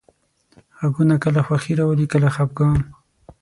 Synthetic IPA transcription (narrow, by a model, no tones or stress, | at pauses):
ɣaɡunakəlaxwaxiɾawəlikəlaxap̚ɡɑn